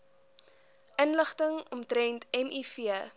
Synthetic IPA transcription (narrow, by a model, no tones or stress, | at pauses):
ʔənləχtəŋɔmtɾɛntɛmʔifiə